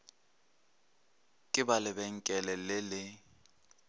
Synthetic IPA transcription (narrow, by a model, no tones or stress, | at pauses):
kʼɪbalɪbɛŋ̩kʼɛlɛlɪlɪ